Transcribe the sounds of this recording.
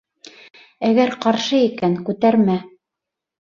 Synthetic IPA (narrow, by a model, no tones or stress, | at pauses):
æɡæɾqɑɾʃɤikæŋkʉt̪æɾmæ